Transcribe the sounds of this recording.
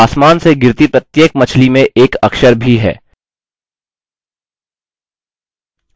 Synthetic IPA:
aːsmaːnseɡɪɾt̪ipɾət̪jeːkmɐt͡ʃʰlimẽʔeːkɐkʃəɾbʱiɦɛ̰ː

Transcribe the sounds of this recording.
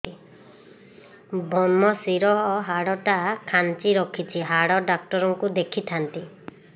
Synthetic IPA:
i | bʱɔnmɔsiɾɔɦɔɦaɽɔʈakʰant͡ʃiɾɔkʰit͡ʃʰiɦaɽɔɖak̚ʈɔɾɔŋkud̪ekʰit̪ʰant̪i

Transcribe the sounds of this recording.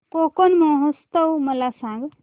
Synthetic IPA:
kokonmoɦəst̪əwməlasãŋɡ

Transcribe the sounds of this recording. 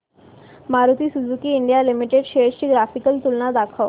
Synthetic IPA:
maɾut̪iːsud͡zukiːɳɖijalimiʈeɖɕeɾɕiːɡɾafikəlt̪ulnad̪akʰaw

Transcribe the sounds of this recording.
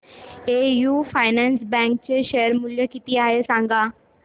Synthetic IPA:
ejufajnɛ̃nsbɛ̃ŋk̚t͡ɕeɕejəɾmuljəkit̪iaɦesãŋɡʱa

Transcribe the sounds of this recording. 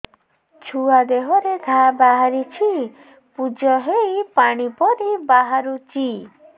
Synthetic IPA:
t͡ʃʰuad̪eɦɔɾeɡʱabaɦaɾit͡ʃʰi | pud͡ʒɔɦejpaɽ̃ipɔɾibaɦaɾut͡ʃi

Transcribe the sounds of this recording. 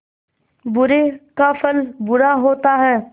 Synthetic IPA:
bʊɾekafʰəlbʊɾaɦoːt̪aɦɛː

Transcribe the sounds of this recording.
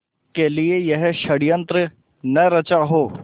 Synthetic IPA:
keliejɐɦʃɐɽijə̃nt̪ɾə | nɐɾɐt͡ʃaɦoː

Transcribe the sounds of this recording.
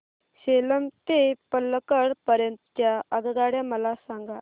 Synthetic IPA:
ɕeləmt̪epəlːkəɽpəɾjənt̪ət̪jaəɡd̪aɽjaməlasãŋɡa

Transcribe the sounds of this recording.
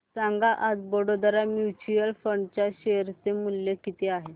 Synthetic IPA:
sãŋɡaʔad͡zbəɽod̪əɾamjut͡ɕujəlfəɳɖt͡ɕjaɕeɾt͡semuljekit̪eaɦe

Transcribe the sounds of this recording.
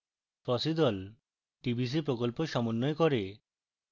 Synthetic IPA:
fɔsid̪ɔl | ʈibʱis̬ipɾokolpoʃɔmonːojekoɾe

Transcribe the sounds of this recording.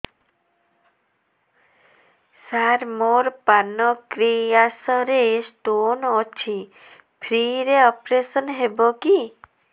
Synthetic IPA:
saɾmoɾpanɔkɾiasɔɾesʈonɔt͡ʃʰi | pʰɾiɾeɔpɾesɔnɦeboki

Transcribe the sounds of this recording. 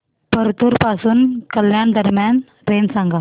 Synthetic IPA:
pəɾt̪uɾpasuːnkəljaɳd̪əɾmjan | ɾensãŋɡa

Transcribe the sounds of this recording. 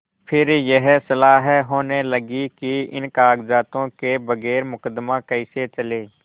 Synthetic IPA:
pʰɪɾjəɦsəlaːɦɛɦoːneləɡikiɪ̰nkaːɡzaːt̪õkebəɣɛːɾmʊkəd̪mãkəɪset͡ʃəleː

